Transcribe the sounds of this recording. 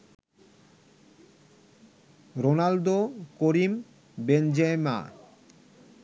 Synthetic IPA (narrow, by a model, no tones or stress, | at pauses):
ɾonald̪okoɾim | bend͡ʑema̰